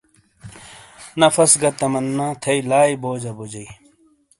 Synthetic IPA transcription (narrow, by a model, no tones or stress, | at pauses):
nɐfɐsɡɐt̪ɐmɐnːãːt̪ʰɐilaːiboːd͡ʑɐbud͡ʑɐi